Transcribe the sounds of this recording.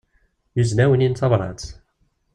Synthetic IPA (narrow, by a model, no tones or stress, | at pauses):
uznæwənint͡s̪ɑvɾˤɑ̰t͡s